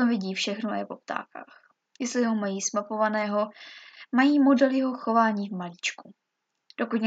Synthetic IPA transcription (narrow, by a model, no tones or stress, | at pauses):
omvɪɟiːfʃɛxnoa̰jɛpop̚t̪a̰ːka̰ːx | jɛst̪lɪɦo̞majiːsmapo̞vanɛːɦo̞majiːmo̞dɛljɛɦo̞xo̞vaːɲiːvmaliːt͡ʃku | d̥o̞kuc̪ɲ